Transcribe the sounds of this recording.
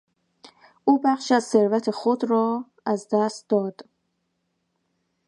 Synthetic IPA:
ʔuːbæχʃæzseɾvæt̪ʰexod̪ɾɒː | æzd̪æst̪̚d̪ɒːd̪̥

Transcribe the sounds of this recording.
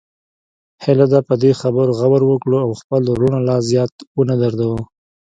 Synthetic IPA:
hɪlad̪apəd̪exabəɾɣawaɾwəkɽoawxpəlɾuɳalɑzjɑt̪wənad̪aɾd̪awo

